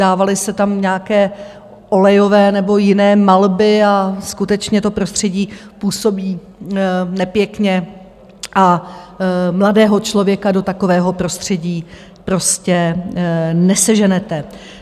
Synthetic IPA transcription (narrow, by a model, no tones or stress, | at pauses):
aːvalɪsɛt̪amɲaːkɛː | ʔo̞lɛjo̞vɛːnɛbo̞jɪnɛːmalbɪaskut̪ɛt͡ʃɲɛt̪o̞pɾo̞st̪r̝̥ɛɟiːpuːso̞biː | nɛpjɛkɲɛ | ʔa | mladɛːɦo̞t͡ʃlo̞vjɛkado̞t̪ako̞vɛːɦo̞pɾo̞st̪r̝̥ɛɟiː | pɾo̞scɛ | nɛsɛʒɛnɛt̪ɛ